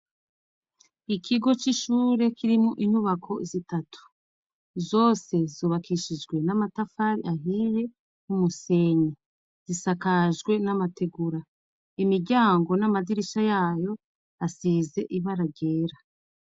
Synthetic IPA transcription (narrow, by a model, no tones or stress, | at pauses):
ikʰiɡo̞t͡ʃiʃuːɾe̞kʰiɾimuʔin̥huβakʰo̞zitatʰu̥ | zo̞ːse̞zuβakʰiʃid͡ʒɡwe̞namatafaːɾḭaɦije | umuse̞ːɲi | z̥isakaʒɡwe̞namate̞ɡuɾa | imiɾɟaːŋɡo̞namadiɾiʃajaːjo̞ | asiːze̞ʔiβaɾaɡe̞ːɾa